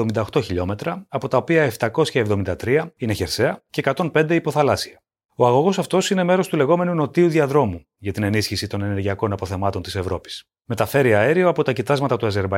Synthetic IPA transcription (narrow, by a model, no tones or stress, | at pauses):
omind̪ɐoxt̪o̞çiʎo̞me̞t̪ɾɐɐpo̞t̪ɐo̞piɐeft̪ɐko̞sçɐevðo̞mind̪ɐt̪ɾiɐine̞çe̞ɾse̞ɐceːkɐt̪o̞npe̞nd̪eipo̞θɐlɐsiɐ | o̞ɐɣo̞ɣo̞sɐft̪o̞sine̞me̞ɾo̞st̪ule̞ɣo̞me̞nuno̞t̪iuðiɐðɾo̞mu | ʝɐt̪ine̞nisçisit̪o̞ne̞ne̞ɾʝiɐko̞nɐpo̞θe̞mɐt̪o̞nt̪ise̞vɾo̞pi̥s | me̞t̪ɐfe̞ɾiɐeɾioɐpo̞t̪ɐcit̪ɐzmɐt̪ɐt̪uɐze̞ɾbɐ